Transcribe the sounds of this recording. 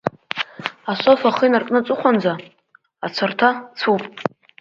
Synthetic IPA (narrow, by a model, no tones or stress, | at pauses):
asʷofaχɨjnarkʼnɨt͡sʷʼʊχʷand͡za | at͡sʷʰartʰat͡sʰupʼ